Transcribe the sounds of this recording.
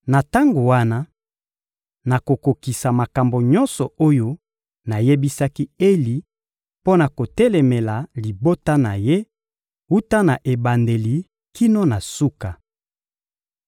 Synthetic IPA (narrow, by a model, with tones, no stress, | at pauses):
na˨ta˦ŋɡo˨wa˦na˦ | na˨ko˨ko˨ki˨sa˨ma˨ka˨mbo˨ɲɔ̃˦nsɔ˨o˦jo˦ | na˨je˦bi˦sa˦ki˦e˦li˨ | po˦na˨ko˨tɛ˦lɛ˨mɛ˨la˨li˨bo˦ta˦na˨je˦ | u˦ta˦na˨ʔe˨ba˨nde˨li˨ | ki˦no˦na˨su˦ka˨